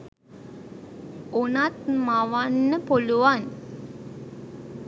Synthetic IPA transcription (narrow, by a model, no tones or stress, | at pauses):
onat̪maʋanːəpoluʋan